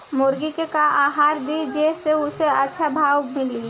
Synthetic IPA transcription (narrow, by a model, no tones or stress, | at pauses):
mʊɾɡikekaaːɦaːɾd̪id͡ʒeseʊseɐtːʃʰabʱaːwmɪli